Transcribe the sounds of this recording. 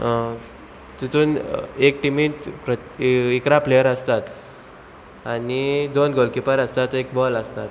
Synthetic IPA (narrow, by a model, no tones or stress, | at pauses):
t̪it̪uːnek̚ʈimitpɾə | ikɾaplejəɾəst̪at̪ | anid̪onɡolkipəɾəst̪at̪ek̚bɔləst̪at̪